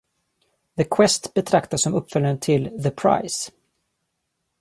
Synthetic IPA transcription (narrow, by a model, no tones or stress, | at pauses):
ðəkʰwɛst̪bɛt̪ʰɾakt̪asːɔmɵpːfœlːənt̪ʰɪlðəpʰɾa̰js